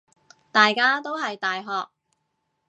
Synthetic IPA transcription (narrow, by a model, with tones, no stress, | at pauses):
t̪aː˨jkaː˥t̪o˥wɦɐ˨jt̪aː˨jɦɔː˨k̚